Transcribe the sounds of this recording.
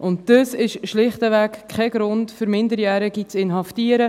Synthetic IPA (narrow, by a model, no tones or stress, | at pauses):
ʔʊntd̥əsɪʃʃlɪχtəvækkʰχɛɡɾʊntfʏɾmɪndəɾjæːɾəɡit͡sɪnɦɑftiəɾə